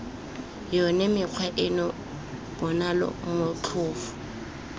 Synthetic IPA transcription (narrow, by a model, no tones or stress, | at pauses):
jɔnɛmɪq͡χʰwaʔɪnɔ | b̥ɔnalɔ̰mʊt͡ɬʰʊːfʊ̥